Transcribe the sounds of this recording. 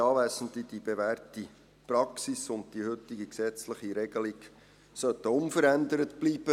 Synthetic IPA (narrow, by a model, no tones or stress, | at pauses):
ɑːʋæːsənd̪idibeʋærti | prɑksisʊnd̚d̥ihʏtːiɡiksɛt͡sləχiɾɛɡ̥əliɡ | sœtːəʊnfəɾænd̪əɾətb̥liːb̥ə